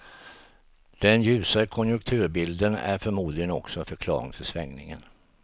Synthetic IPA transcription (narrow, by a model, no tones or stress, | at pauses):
d̪̥ɛnjʉ̟ːsakʰɔnjɵŋk̚t̪ʰʉ̟ːɾbɪld̪ənæ̰ɾfœɾmuːd̪lɪɡənɔksɔɛfœɾkʰlɑ̰ːɾɪ̰ŋfœsvɛŋnɪŋə̰n